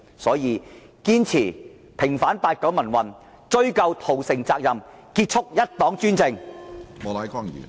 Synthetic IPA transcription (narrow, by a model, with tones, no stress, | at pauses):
sɔː˨˥jiː˨˧ | kiː˥nt͡sʰiː˨˩ | pʰɪ˨˩ŋfaː˨˥npaː˧t̚kɐ˨˥wmɐ˨˩nwɐ˨n | t͡ʃɵ˥ɥkɐ˧wt̪ʰo˨˩wsɪ˨˩ŋt͡saː˧k̚jɐ˨m | kiː˧t̚t͡ʃʰʊ˥k̚jɐ˥t̚t̪ɔː˨˥ŋt͡ʃyː˥nt͡sɪ˧ŋmɔː˨˧laː˨˥jkaː˥˩ŋ˨ḭː˨n